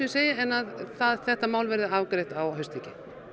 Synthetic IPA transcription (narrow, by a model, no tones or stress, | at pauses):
iseːjaɛnːaðθaðθɛht̪amaːwlvɛɾðɪaːvkɾejht̪awɦœɥst̪icɪ